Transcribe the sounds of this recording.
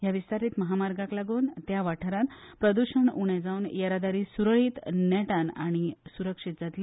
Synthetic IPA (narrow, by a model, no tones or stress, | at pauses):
jaʋist̪aɾiːt̪məɦamaɾɡaklaɡuːnt̪jaʋaʈʰəɾanpɾəd̪uɕəɳuɽ̃ed͡zaunjaɾad̪aɾiːsuɾɭiːt̪nɛʈanaɽ̃isuɾəkʂit̪̚d͡zat̪li